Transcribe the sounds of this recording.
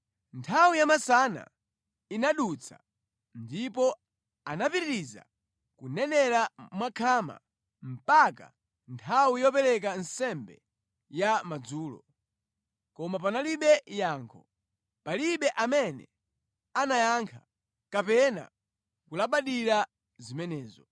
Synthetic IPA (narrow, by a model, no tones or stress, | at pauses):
ntʰawijamasana̰ | inaɗut͡sʰa̰ | ndipɔ | anapiɾiɾiza̰ | kunɛnɛɾamwakʰama̰ | m̩paka̰ | ntʰawijɔpɛɾɛk̬ansɛmbɛ | jamad͡zuːlɔ̰ | kɔmapanaliɓɛjaːŋkʰɔ | paliɓɛʔamɛnɛ̰ | anajaŋkʰa | kapɛna̰ | kulaɓaɗiɾa | zimɛnɛːzɔ